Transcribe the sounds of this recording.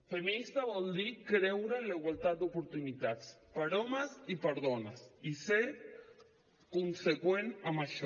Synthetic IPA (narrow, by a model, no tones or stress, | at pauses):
femĩnist̪aβold̪ikɾewɾanlaiɣwalt̪at̪̚d̪eopoɾt̪unit̪at̪spaɾomasipaɾðonasiseɾ | konsekwenamaʃo